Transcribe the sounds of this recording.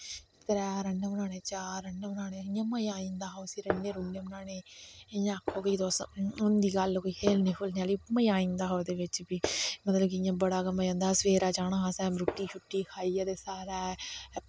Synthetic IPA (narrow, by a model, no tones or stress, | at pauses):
k̪əɾɛːɾənːeʊnaːneːt͡ʃaːɾəɳːʊnaːneːɪjãːməjaːĩnd̪aːɦaoːsiːɾənːeːɾunːeːnaːneːjãːəkʰːoːkəiːd̪oːsʊnd̪iːɡəlkoiːkʰeːlnĩːkʰʊlneaːliːməjãːĩːnd̪aːɦaod̪eːʋɪt͡ʃbiːmət̪ləbkɪɪjãːbəɽaːɡəməjə̃ːnd̪aːsəʋeːɾaːd͡ʒaːɽ̃ãːɦãːsɛ̃ːmɾʊʈːiːt͡ʃʰʊʈːiːkʰaːiːaːd̪eːsaːɾaː